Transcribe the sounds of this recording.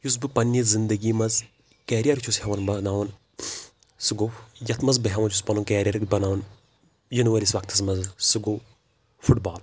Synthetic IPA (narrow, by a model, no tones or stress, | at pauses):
jus̬bɨpɐnːɐzind̪ɐɡimɐz | kɛːɾijɐɾt͡ʃʰushɐʋɐnbɐnaːʋɐn | sɨɡojɐt̪ʰmɐzbɐɦʲɐʋɐnt͡ʃʰuspɐnunkeːɾʲijɐɾkbɐnaːʋun | jinuʋɐlʲisʋɐk̚t̪ʰɐs̬mɐzsɨɡo | fʰuʈbaːl